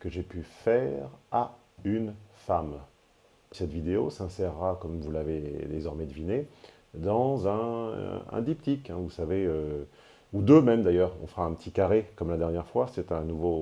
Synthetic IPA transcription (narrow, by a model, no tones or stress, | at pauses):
kəʒepyfɛʁa | ynfam | sɛt̪vid̪eosɛ̃sɛʁːakɔmvulaved̪ezɔʁmɛd̪əvine | d̪ɑ̃zɛ̃ɛ̰̃d̪ipt̪ikɛ̃vusaveø | ud̪ømɛmd̪ajœːʁɔ̰̃fəʁaɛ̃pət̪ʰikaʁekɔmlad̪ɛʁnjɛʁfwasɛt̪ɛ̃nuvo